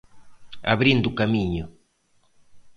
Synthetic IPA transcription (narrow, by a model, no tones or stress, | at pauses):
a̰βɾĩnd̪ʊukamĩɲʊ